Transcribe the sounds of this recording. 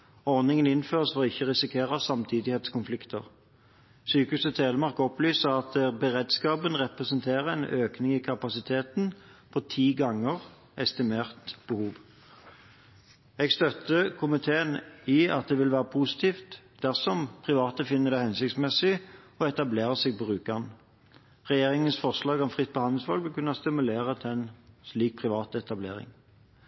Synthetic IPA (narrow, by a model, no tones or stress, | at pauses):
ɔʁnɪŋənɪnføːʁsfɔɪçːəʁɪsɪkʰeːʁɑsɑmt̪ʰiːd̪ɪheːt̪skʊnflɪkt̪ʰəʁ | syːkʉsət̪ʰeːləmɑʁkɔplyːsəʁɑt̪bəʁeːd̪skɑːbənʁɛpʁɛsənt̪ʰeːʁəɛnʔøːknɪŋɪkʰɑpɑsɪt̪ʰeːt̪n | pʰɔt̪ʰiːɡɑŋːəʁ | ɛst̪ɪmeːʁt̪b̥əhuːʋ | ɛɡst̪œt̪ːəkʰʊmɪt̪ʰeːəniːɑ̰t̪̚d̪ɛːʋɪlʋæːʁəpʰusɪ̥t̪ʰiːft̪ | d̪̥æʁsɔmpʰʁɪʋɑːt̪əfɪnːəd̪ɛɪhɛnsɪk̚t̪smɛsɪ | ɔɛt̪ɑbleːʁəsɛɡ̚bɔʁʉːkɑn | ʁɛjeːʁɪŋənsfɔʁslɑːɡɔmfʁɪt̪̚ːpɔhɑnl̩sʋɑlʋɪlkʰʉnːɑst̪ɪmʉleːʁət̪ʰɛnsliːk̚pʰʁɪʋɑːt̪ɛt̪ɑbleːʁɪ̰ŋ